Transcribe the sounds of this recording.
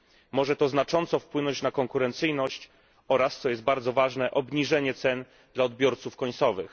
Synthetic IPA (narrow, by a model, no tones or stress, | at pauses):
mɔʐɛt̪ɔznat͡ʂɔnt̪sɔfpwɘnɔɲt͡ɕnakɔŋkuɾɛnt̪sɘjnɔɕt͡ɕ | ɔɾast̪sɔjɛst̪̚baɾd̪zɔvaʐnɛʔɔbɲiʐɛɲɛt̪sɛn | d̪laɔd̪bʲjɔɾt̪sufkɔɲt̪sɔvɘx